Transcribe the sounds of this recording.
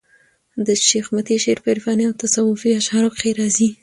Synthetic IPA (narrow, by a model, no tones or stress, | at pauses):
d̪əʃexmat̪iʃeɾpeɾfɑniawt̪asawʊfiaʃhɑɾokxeɾɑzi